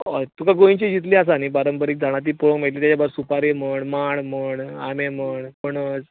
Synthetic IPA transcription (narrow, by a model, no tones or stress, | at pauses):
t̪ukaɡoĩɲt͡ɕid͡ʑit̪̬lias̬anibaɾəmpəɾiːk̚d͡zaɽ̃at̪̬iːpoɭə̃kmeʈ̪liːt̪jat͡ɕabəɾsupaɾeməɳmaɽməɳameməɳpəɳəd͡z